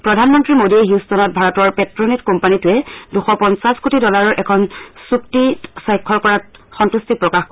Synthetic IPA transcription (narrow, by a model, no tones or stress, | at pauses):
pɹɔdʱanmɔntɹimodiɛɦustɔnɔt̚bʱaɹɔtɔɹpɛtɹonitkɔmpanitʊɛduxɔpɔnsaskutʰidɔlaɹɔɹʔɛkʰɔnsuktitsajkʰːɔɹkɔɹat̚xɔntustik̚pɹɔkaxkɔ